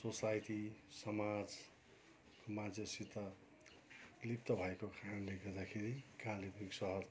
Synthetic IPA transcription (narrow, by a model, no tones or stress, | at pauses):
sosajʈisʌmad͡z | komãd͡zesit̪ʌ | lipt̪ʌbʱʌekokʰanunleɡʌd̪akʰeɾikalibiksʌɦʌɾ